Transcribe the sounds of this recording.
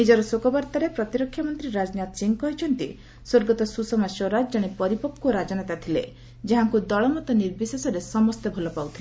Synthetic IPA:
nid͡ʒɔɾɔsokɔbɔɾt̪aɾepɾɔt̪iɾɔkʰːjɔmɔnt̪ɾiɾad͡ʒɔnjat̪siŋkɔɦit͡ʃʰɔnt̪ḭ | soɾɡɔt̪ɔsusɔmasoɾad͡ʒd͡ʒaɽ̃epɔɾipɔp̚kuɔɾad͡ʒanat̪at̪ʰilḛ | d͡ʒeɦaŋkud̪ɔɭɔmɔt̪ɔniɾbisesɔɾesɔmɔst̪ebʱɔlɔpawt̪ʰile

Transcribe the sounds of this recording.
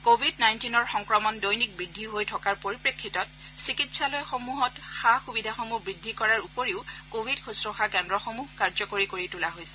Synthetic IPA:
kobʱidnajntinɔɹxɔŋkɹɔmɔndojnik̚bɹidʱːiɦojtʰɔkaɹpoɹipɹekʰːitɔt̚ | sikitsalɔjxomuɦɔtxaxubidʱaxomubɹidʱːikɔɹaɹupoɹiʊkobʱidkʰusɹɔxakɛndɹɔxomuhkaɹzɔkoɹikoɹitulaɦojsɛ̥

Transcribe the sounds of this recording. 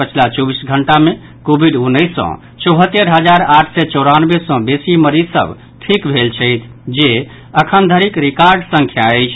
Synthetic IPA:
pət͡ʃʰlat͡ʃɔbisɡʱəɳʈamẽ | kobʱiɖunːəɪsːɔ̰̃ | t͡ʃɔɦət̪ːeɾɦəd͡ʒaɾaʈʰsɛt͡ʃɔɾanbesɔ̃besiməɾisə̰b | ʈʰikbʱelt͡ʃʰəjt̪ʰ | d͡ʒe | əkʰənd̪ʱəɾikɾikaɾɖsə̃ŋkʰjaəjt͡ʃʰ

